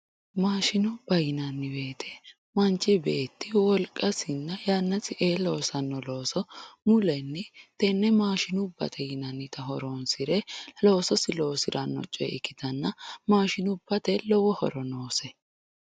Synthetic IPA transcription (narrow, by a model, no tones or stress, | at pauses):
maːʃɪnʊb̥ɐjɪnɐnːɪbe̞ːt̪ʰɛ | mɐnt͡ʃːɪbe̞ːt̪ːɪwɔlkʼːɐsɪnːɐjaːnːɐsɪʔeːlo̞ːsɐnːɔlo̞ːsɔmʊlɛnːɪt̪ɛnːɛmaːʃɪnʊbːɐ̰t̪ʰɛjɪnɐnːɪt̪ɐɦɔɾoːnsɪɾɛlo̞ːsɔsɪlo̞ːsɪɾʔɐnːɔ̰t͡ʃʼːɛ̰ɪkːɪt̪ɐnːɐmaːʃɪnʊb̥ːɐt̪ɛlɔwɔhɔ̰ɾɔno̞ːsɛ